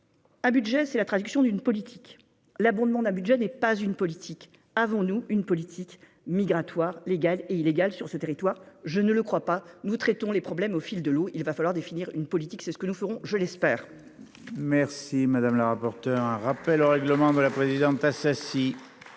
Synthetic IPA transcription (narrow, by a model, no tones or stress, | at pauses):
ɛ̃byd̪ʒɛsɛlat̪χad̪yksjɔ̃d̪ynpɔlit̪ʰi̥k | labɔ̃d̪mɑ̃d̪ɛ̃byd̪ʒɛnɛpazynpɔlit̪ʰik | avɔ̃nuynpɔlit̪ʰik | miɡʁat̪waʁleɡaleileɡalsyʁsət̪eʁit̪waʁʒənələkχwapanut̪χɛt̪ɔ̃lepχɔblɛmofild̪əloilvafalwaʁd̪efiniʁynpɔlit̪iksɛsə̥kənufəʁɔ̃ʒəlɛspɛːʁ | mɛʁsimad̪amləʁapɔʁt̪œʁɛ̃ʁapɛloʁɛɡləmɑ̃d̪əlapχezid̪ɑ̃t̪asasi